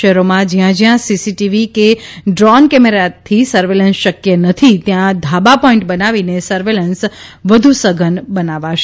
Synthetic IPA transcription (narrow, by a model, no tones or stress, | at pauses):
əɦɾomãd͡ʒjãd͡ʒjãsisiʈiʋikeɖɾɔnkɛmeɾat̪ʰːisəɾʋelənsʃəkjənət̪ʰit̪jãd̪ʱabapɔĩɳʈ̚bənaʋinesəɾʋelənsʋəd̪ʱusəɡʱənbənaʋaʃ